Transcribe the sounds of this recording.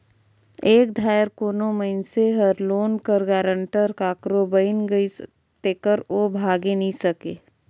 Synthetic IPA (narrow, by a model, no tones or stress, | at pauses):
eːkd̪ʱaːəɾkoːnoməɪnseɦɐɾloːnkəɾɡaːɾə̃ɳʈəɾkaːkɾobəɪnɡɐis | t̪eːkəɾoːbʱaːɡenɐĩsɐkeː